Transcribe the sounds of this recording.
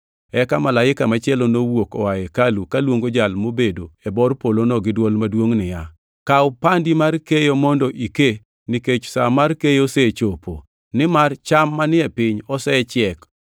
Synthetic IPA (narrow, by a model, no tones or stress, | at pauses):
ɛkamalaɪkamat͡ʃɪɛlɔnowokɔwajɛkalukalwoŋɡod͡ʒalmobedoɛbɔrpolonɔɡɪdwɔlmadwoŋnɪja | kawpandimarkejomɔndɔʔike | nɪket͡ʃsa̰markejoset͡ʃopʰo | nɪmart͡ʃamːanɪɛpɪɲɔsɛt͡ʃɪɛk